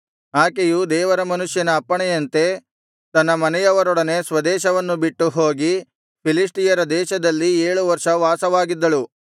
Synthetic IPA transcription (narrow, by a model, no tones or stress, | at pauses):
ɦaːkejud̪ɛːʋɐɾɐmɐnuʂjɐnɐːpːɐɳɛjɐnt̪e̞ | t̪ɐnːɐmɐnɛjɐʋɐɾɔɽɐne̞sʋɐd̪ɛːʃɐʋɐnːubiʈːuɦo̞ːɡi | pʰilisʈijɐɾɐd̪ɛːʃɐd̪ɐlːieːɭuʋɐɾʂɐʋaːsɐʋaːɡid̪ːɐɭu